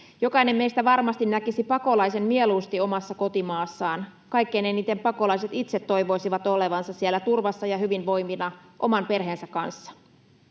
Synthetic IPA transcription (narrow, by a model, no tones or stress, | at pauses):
jo̞kɑine̞mme̞ist̪æʋɑrmɑst̪innækisipɑko̞lɑjse̞mmieluːst̪io̞mɑsːɑko̞t̪imɑːsːɑːnkɑjkːeineniːt̪empɑko̞lɑiset̪it̪se̞t̪ːo̞jʋo̞isiʋɑt̪ole̞ʋɑnsɑssielːæt̪urʋɑsːɑjɑɦyʋinʋo̞jminɑʔo̞mɑmpe̞rɦeːnsækːɑnsːɑ̥